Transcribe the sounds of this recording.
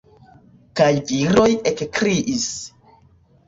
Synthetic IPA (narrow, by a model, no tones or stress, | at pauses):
kajviɾo̞jekkɾiʔis